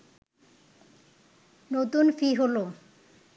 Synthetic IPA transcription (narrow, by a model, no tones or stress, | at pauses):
not̪unfiɦolo